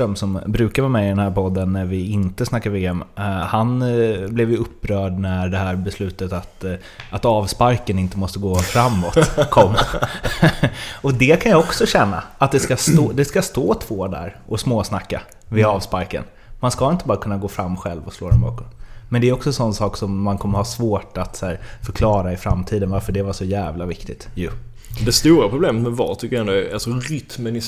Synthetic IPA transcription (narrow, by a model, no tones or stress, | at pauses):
œmsɔmbɾʉ̟ːkaɾvaːɾmɛɪd̪ɛnhæːɾpʰɔd̪ːənːæɾvɪɪnt̪əsnakːaɾveːɛmhanblɛvjɵɵpːɾœːɖnæɖɛhæːɾbɛslʉ̟ːt̪ət̪at̪ | at̪ɑːvspaɾkənɪnt̪əmɔst̪əɡoːfɾamːɔt̪kʰɔmːa | ɔd̪ɛkʰanjaɔksɔɕɛnːa̰at̪̚d̪ɛskast̪oːd̪ɛskast̪oːt̪ʰv̥oːd̪æ̰ɾʔɔsmoːsnakːa̰ | vɪɑːvspaɾkə̰n | manskaɪnt̪əbɑːɾakʰɵnːaɡoːfɾamːɧɛ̰lvɔsloːd̪ɛ̰nbɑ̰ːkɔnmɛnd̪ɛæɾjɔksɔɛnsɔnːsɑːksɔmːankʰɔmːəɾhasvoːʈat̪sæːɾfœɾkʰlɑːɾaɪfɾa̰mt̪ʰiːd̪ənvaɾfœɖɛvaʂɔjæːvlavɪkt̪ɪt̪jɵ | dd̪ɛst̪uːɾapʰɾʊbleːmət̪mɛvɑ̰t̪ʰʏkːəɾjɛnd̪ʊæa̰lsɔɾʏt̪mɛnɪ